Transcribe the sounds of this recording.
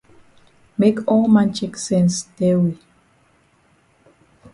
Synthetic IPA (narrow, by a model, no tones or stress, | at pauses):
mekɔlmãnt͡ʃeksɛ̃nsdɛwi